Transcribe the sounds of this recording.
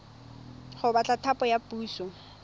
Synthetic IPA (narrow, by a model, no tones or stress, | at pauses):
χʊbat͡ɬʼatʰapʼɔjapuːsɔ